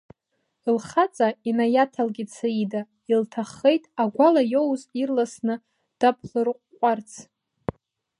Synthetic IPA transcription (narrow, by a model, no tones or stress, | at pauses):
ilχat͡sʼainajatʰalɡʲit͡sʰaida | iltʰaχːe̞jtʼaɡʷalajowzirlasnɨ | d̥apʰlɨrqʷʼqʷʼart͡sʰ